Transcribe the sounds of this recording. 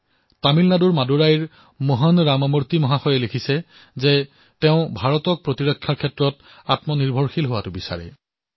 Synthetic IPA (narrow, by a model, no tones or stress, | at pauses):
tamilnaduɹmaduɹajiɹ | mɔɦɔnɹamɔmuɹtimɔɦaxɔjɛlekʰisɛ | ze | tɛʊ̃bʱaɹɔtɔk̚pɹotiɹɔkʰːjaɹkʰːɛtɹɔt | atmɔniɹbʱɔɹxilɦowatʊbisa̰ɹɛ̰